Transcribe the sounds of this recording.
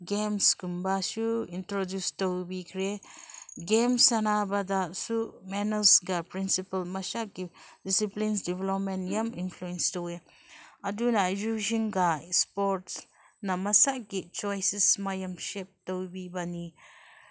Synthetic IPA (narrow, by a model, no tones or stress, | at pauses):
ɡemskumbasuintɾodjustowbikʰɾe | ɡemsanabadasumɛnɐlsɡapɾinsipɐlmɐsaʔɡidisiplinsdivlɔpmenjaminpʰluɛnstɔwe | ɐdunazud͡ʒinɡaspɔɾt | namɐsaʔɡit͡ʃɔjsismajɐmʃep̚tɔwbibani